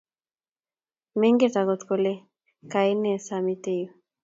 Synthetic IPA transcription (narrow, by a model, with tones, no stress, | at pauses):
me˦ŋɡe˦t̪a˨ko˨t̪ko˨le˦ | ka˨e˦ne˨sa˨mi˦t̪e˦˨jo˨